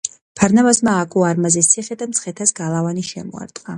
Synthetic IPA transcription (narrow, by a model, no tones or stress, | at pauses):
pʰaɾnavasmaːkʼuaɾmazɛsʰiχɛd̪amt̪sʰχɛt̪ʰasɡalˠavaniʃɛ̰mɔ̰a̰ɾt̪ʼqʼa